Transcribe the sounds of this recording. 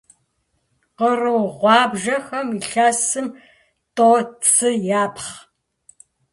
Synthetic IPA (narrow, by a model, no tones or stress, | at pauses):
qərɨwʁʷɑːbʒɐxɐmiɬaːsɨm | tʼoːt͡sʼʰɨjaːpʰχ